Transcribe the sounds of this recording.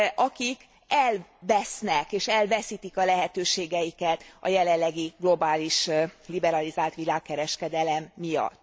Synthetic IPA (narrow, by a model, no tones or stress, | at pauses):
ʔɒkik | ɛlvɛsnɛkeːʃɛlvɛsiːt̪ikɒlɛɦɛt̪øːʃeːɡɛjikɛt̪ɒ̰jɛlɛlːɛɡiɡlo̞baːliʃlibɛɾɒlizaːlt̪ʋilaːkːɛɾɛʃkɛd̪ɛlɛmːijɒ̰t̪ː